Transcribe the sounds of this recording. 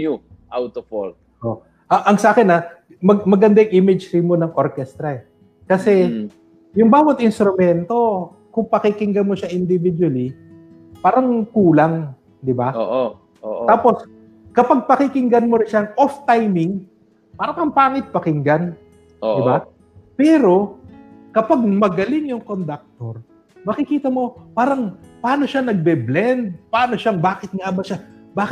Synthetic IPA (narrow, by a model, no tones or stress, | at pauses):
ʔawt̪ofol | ʔo̰ | ʔɐʔɐŋsɐʔaːkɪnɐ | mɐɡmɐɡɐnd̪aŋʔimɪd͡ʒɾɪmonɐŋʔoɾkɛst̪ɾɐɛ | kɐsɛ | jʊŋbaːwɐt̪̚ʔɪnst̪ɾʊmɛnt̪o̞ | kʊŋpɐkɪkɪŋɡɐnmoʃaʔɪnd̪ɪvɪd̪wɐli | paːɾɐŋkuːlaŋ | d̪ɪbaoʔ | oʔ̪aːpo̞s | kɐpaɡ̚pɐkɪkɪŋɡɐnmoɾɪnʃaŋʔoft̪ajmɪŋ | paːɾɐŋɐmpaːŋɪt̪̚pɐkɪŋɡan | odɪba | pɛːɾo̞ | kɐpaɡ̚mɐɡɐlɪŋjʊŋkond̪ɐk̚t̪oɾ | mɐkɪkiːt̪ɐmo̞paːɾɐŋpaːno̞ʃanɐɡ̚bɛblɛnd̪̚paːno̞ʃaŋbaːkɪt̪̚ŋaʔbɐʃabaːk